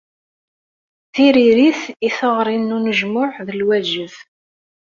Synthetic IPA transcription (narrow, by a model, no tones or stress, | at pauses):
θiɾiɾiθiθəʁɾˤinːunəʒmʊħðəlwæʒəð